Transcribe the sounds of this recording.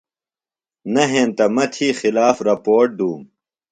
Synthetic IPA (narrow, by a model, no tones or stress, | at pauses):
nɐɦeːnt̪ɐmɐt̪ʰiːxilaːfɾɐpoːʈ̚d̪uːm